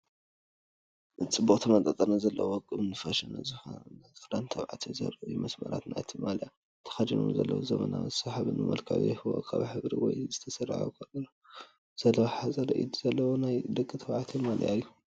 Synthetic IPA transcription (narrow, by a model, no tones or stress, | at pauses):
t͡sʼɨbːukʼt̪ʰɐmɐt̪ʼɐt̪ʼɐnazɐlːɐwwɔkʼːɨɨnɨfɐʃɐnɐzɨxonnɨɾant̪ʰɐβʕat̪ʰizɐ̰ɾʔjumɐsmɐɾa̰t̪na̰t̪ʰimalja | t̪ʰɐ̥xad̪inṵmzɐlːɐ̰wozɐmɐna̰zɨsaħaβɨnɨmɐ̰lkʰa̰βḭhɨwo̰kʰa̰βħɨβɾiwɔ̰jzɨt̪ʰɐsɐr̰ʕukʰɐlːɐna | z̥ɐlħazʼɐɾɐʔid̪z̥ɐlːɐwonajd̪ɨkʼːɨt̪ʰɐβʕat̪ʰimal̰jajːu